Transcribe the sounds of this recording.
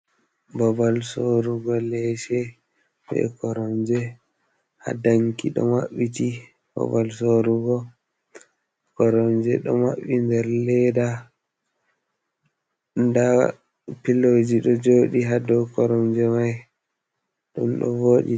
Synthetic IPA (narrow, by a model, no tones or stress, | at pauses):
bɔbalsoɾuɡɔlɛʃɛ | bɛ̰kɔɾɔmd͡ʒɛ | ha̰daŋkiɗɔ̰maɓːiti | bɔ̰balsoɾuɡɔ | kɔɾɔmd͡ʒɛɗɔma̰ɓindɛɾlɛda | nda | pilod͡ʒiɗɔd͡ʒoːɗiɦadɔkɔɾɔmd͡ʒɛmaj | ɗṵmɗɔ̰voɗḭ